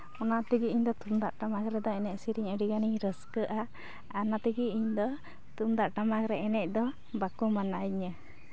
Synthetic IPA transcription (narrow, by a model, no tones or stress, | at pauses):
ɔnaʔt̪iɡiiɲd̪ɔt̪umd̪aʔʈamakɾɛd̪ɔɛnɛcsiɾiɲəɖiɡaniɲɾəskəʔa | anat̪iɡiʔiɲd̪ɔ | t̪umd̪aʔʈamakɾɛɛnɛc̚ˀd̪ɔ | bakumanaiɲə